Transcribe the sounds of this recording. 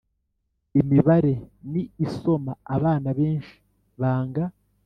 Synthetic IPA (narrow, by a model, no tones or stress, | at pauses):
imiβaɾe̞niːso̞maːβaːnaβe̞ːnʃi̥ | βaːŋɡa